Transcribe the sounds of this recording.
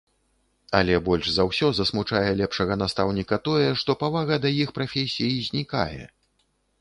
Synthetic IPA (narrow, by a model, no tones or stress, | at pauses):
a̰lʲɛbɔlʲʐzawsʲɔzɐsmut͡ʂajɛlʲɛpʂɐɣɐn̪ast̪awnʲikɐt̪ɔjɛʂt̪ɔpavaɣɐd̪ɐjixpɾafʲesʲijizʲnʲika̰jɛ̰